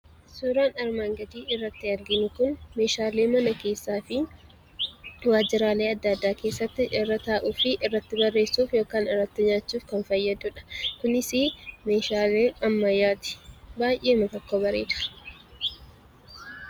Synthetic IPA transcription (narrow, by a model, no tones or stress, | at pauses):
suːɾaːnɐɾmaːŋɡɐd̪iːɪrːɐt̪ːɪɐɾɡɪnʊkʊnme̞ːʃaːle̞ːmɐnɐke̞ːsːaːfɪ | waːd͡ʒɪɾaːle̞ːɐd̪ːad̪ːaːke̞ːsːɐt̪ːɪʔɪrːɐt̪aːʔuːfɪʔɪrːɐt̪ːɪbɐrːe̞ːsːuːfjo̞ːkaːnɪrːɐt̪ːɪɲaːt͡ʃːuːfkɐnfɐjːɐd̪ʊᶑɐ̥kʊnɪsɪme̞ːʃaːleːnɐmːɐjːaːt̪ɪ̥baːjʔeːmɐt̪ɔkːoːbɐɾe̞ːd̪ʊ̥